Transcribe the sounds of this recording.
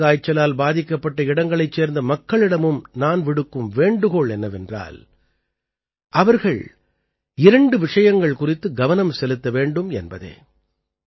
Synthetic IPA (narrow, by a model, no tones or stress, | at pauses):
aːjt͡ʃːɐlaːlbaːðɪkːɐpːɐʈːɐɪɽɐŋɡɐɭɐɪt͡ʃːeːɾnd̪ɐmɐkːɐɭɪɽɐmɯmnaːnʋɪɽɯkːɯmʋeːɳɖɯɣoɭɛnːɐʋɛndra̰ːl | ʔɐʋɐɾɣɐɭ | ɪɾɐɳɖɯʋɪʂɐjɐŋɡɐɭkʊrɪt̪ːɯɡɐʋɐnɐmsɛlɯt̪ːɐʋeːɳɖɯmɛ̰nbɐ̰ðḛː